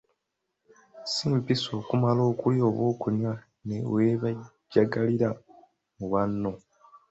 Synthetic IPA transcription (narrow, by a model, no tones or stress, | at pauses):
siːmpiso̞ːkumalo̞ːkulio̞ːβwoːkuɲwa | ne̞weβaɟːaɡaliɾa | muβanːo̞